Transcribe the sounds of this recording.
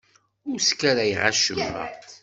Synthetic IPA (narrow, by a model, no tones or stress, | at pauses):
ʊɾskːæɾajʁaʃəmːə̰ʁt̪